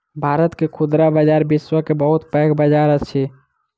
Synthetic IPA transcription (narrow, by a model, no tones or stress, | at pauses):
bʱaɾət̪kekʰud̪ɾabəd͡ʒaɾbiswəkebəɦut̪pəːkbəd͡ʒaɾəst͡ʃʰɛ